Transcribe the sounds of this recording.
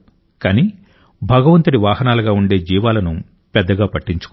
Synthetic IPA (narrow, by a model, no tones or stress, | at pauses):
kaːniː | bʱɐɡɐʋɐnt̪uɽiʋaːɦɐnaːlɐɡaːuɳɖe̞ːd͡ʒiːʋaːlɐnu | pɛd̪ːɐɡaːpɐʈːiɲt͡ʃu̥k